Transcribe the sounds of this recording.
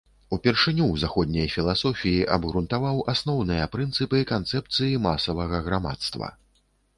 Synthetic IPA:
upʲɛrʂɨnʲuwzaxɔd̪̚ʲnʲɐjfʲilˠasɔfʲijiʔɐbɣɾunt̪avawasnɔwnɨjɐpɾɨnt̪sɨpɨkant̪sɛpt̪sɨjimasɐvɐɣɐɣɾama̰t̪st̪vɐ̰

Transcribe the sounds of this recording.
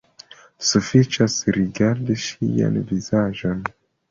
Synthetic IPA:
sufit͡ʃasɾiɡaɾdiʃija̰nvizaʒo̞n

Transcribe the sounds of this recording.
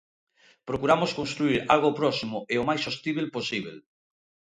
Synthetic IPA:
pɾokuɾamoskõnst̪ɾuiɾa̰lɣopɾɔsimʊʔeomajsost̪iβelposiβ̞el

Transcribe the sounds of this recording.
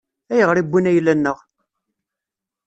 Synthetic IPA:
æjəʁɾibʷːinæjlːænːəʁ

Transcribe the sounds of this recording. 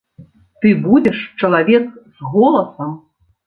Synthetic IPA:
t̪ɨbud͡zʲɛʂt͡ʂɐlˠavʲɛkzɣɔlˠɐsɐm

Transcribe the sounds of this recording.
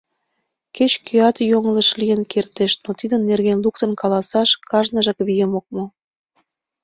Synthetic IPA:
ket͡ɕkyɑt̪joŋələʃlijənkʰert̪eʃnot̪id̪ənːerɣenluk̚t̪ə̆nkɑlɑsɑʃkɑʒnəʒɑkβijəmok̚mo

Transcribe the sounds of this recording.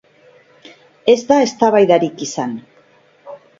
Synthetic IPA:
e̞zd̪ae̞st̪aβajðaɾikisan

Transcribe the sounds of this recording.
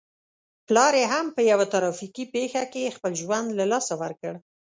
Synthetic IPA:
plɑɾeɦampəjawat̪aɾɑfikipexakexpəlʒwand̪lalɑsawəɾkəɽ

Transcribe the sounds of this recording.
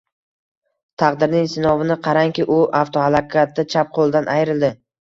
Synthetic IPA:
t̪ʰɑqd̪ɪɾnɪŋsɪnɒvɪnɪqʰɑɾaŋkʲɪʔʊʔaft̪ʰohalˠakʲʰat̪ːat͡ʃʰap̚qʰolˠd̪anʔajɾɪld̪ɪ

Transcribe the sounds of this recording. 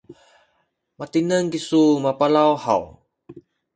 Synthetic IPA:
mat̪inəŋkisumapalawha̰w

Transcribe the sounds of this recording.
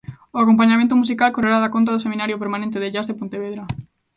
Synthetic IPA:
ʊakomp̬aɲamẽnt̪̬ʊmus̬ikalkoreɾaðakont̪̬aðʊseminaɾjopeɾmanẽnt̪̬eðeʎazðepont̪eβeðɾa

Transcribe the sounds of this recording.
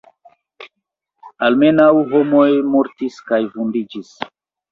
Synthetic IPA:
alme̞nawɦo̞mo̞jmo̞ɾtiskajvundid͡ʒis

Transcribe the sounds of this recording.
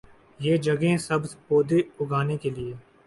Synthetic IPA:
jeːd͡ʒɐɡẽsɐbspoːd̪eʊɡʱaːnekelieː

